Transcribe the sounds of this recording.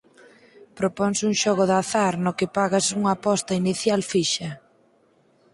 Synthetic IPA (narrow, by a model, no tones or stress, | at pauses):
pɾopɔŋsuŋʃɔɣʊðaθaɾnʊkɪpaɣasuŋaːpɔst̪ɐiniθjalfiʃɐ